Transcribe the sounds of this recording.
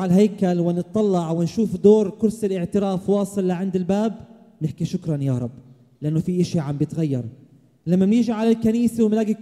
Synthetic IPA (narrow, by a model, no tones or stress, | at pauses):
ʕalɦajkalwɪnɨt̪̚ˤːɑlːɑʕwɪnʃuːfd̪oːɾˤkʊɾsɪlʔɪʕt̪ɪɾaːfwɑːsˤɨlːɪʕɪnd̪ɪlbaːb | nɪħkiʃʊkɾˤɑnjaɾˤɑbː | lɪʔanːofiʔɪʃiʕambjɪt̪ɣajːɑ̰ɾˤ | lamːamnɪʒiʕalalkaniːsawmlaːɡɪ